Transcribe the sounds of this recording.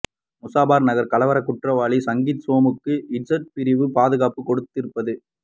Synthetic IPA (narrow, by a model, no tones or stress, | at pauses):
mʊsaːbaːɾnɐɣɐɾkɐlɐʋɐɾɐkʊʈrɐʋaːɭisɐŋɡit̪soːmɯkːɯɪd͡ʒɐʈ̚pɪɾɪʋɯpaːðɯɣaːpɯkɔɽɯt̪ːɪɾɯpːɐðɯ